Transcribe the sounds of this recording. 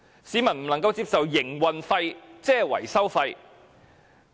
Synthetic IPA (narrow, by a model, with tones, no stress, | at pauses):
siː˨˥mɐ˨˩nm̩˨˩lɐ˨˩ŋkɐ˧wt͡siː˧p̚sɐ˨wjɪ˨˩ŋwɐ˨nfɐ˧jt͡sɛː˥˩wɐ̰˨˩jsɐ˥wfɐ˧j